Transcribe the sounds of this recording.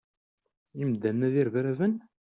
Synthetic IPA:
imd̪ːænːæðiɾvɾævən

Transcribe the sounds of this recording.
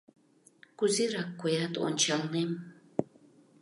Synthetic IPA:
kuziɾakʷːojat̪o̰nt͡ʃalnem

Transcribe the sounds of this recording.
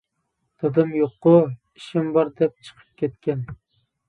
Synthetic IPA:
d̪̥ɨd̪ɨmjoqːʊ | iʃɪmbɑɾd̪ɛp̚t͡ʃʰɨ̥qʰə̥p̚kʲʰet̪̚kʲɛn

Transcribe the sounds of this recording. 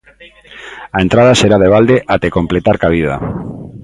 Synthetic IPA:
aent̪ɾað̞aseɾaðeβald̪eʔat̪ekomplet̪aɾkaβ̞ið̞a̰

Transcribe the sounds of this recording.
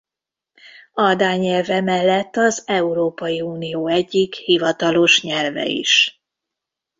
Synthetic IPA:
d̪aːɲɛlvɛmɛlːɛt̪ːɒzɛuɾoːpɒjiuːnijoːɛɟːikhivɒt̪ɒlo̞ʃɲɛlvɛ̰ḭʃ

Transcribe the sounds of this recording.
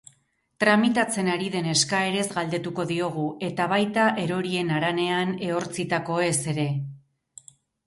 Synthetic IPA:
t̪ɾamit̪at͡se̞naɾiðe̞ne̞skae̞ɾe̞zɣald̪e̞t̪uko̞ðio̞ɣ̞uʔe̞t̪aβajt̪aʔe̞ɾo̞ɾie̞naɾane̞ane̞o̞ɾt͡sit̪ako̞e̞se̞ɾe̞

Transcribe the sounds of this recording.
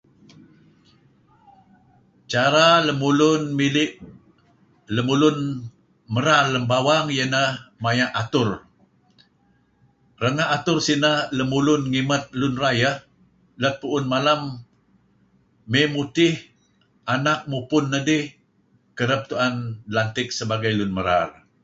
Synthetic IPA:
t͡ʃaɾaləmulʊnmilɪʔ | ləmulʊn | məɾaləmbawaŋjənahmajaʔat̪ʊr | rəŋaʔat̪ʊrsinahləmulʊnŋimət̪̚lʊnrajah | lət̪̚puʔʊnmalam | emut̪ɪh | ʔanak̚mupʊnːədɪh | kəɾəp̚t̪uandlant̪ɪk̚səbaɡajlʊnməɾa̰r

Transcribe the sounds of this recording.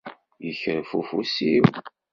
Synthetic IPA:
jəçɾfufusiw

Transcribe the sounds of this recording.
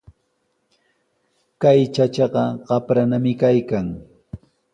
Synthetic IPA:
kajt͡ʃat͡ʃɑɢɑɢɑpɾanamɪkajkaŋ

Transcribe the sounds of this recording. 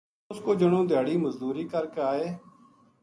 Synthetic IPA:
ʊskoːd͡ʒəɽ̃õːd̪ʱjaːɽiːməzd̪uːɾiːkəɾkaːeː

